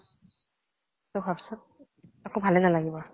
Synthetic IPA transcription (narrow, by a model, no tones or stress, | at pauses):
tobʱapsɔt̚ | akobʱalɛnalaɡibɔ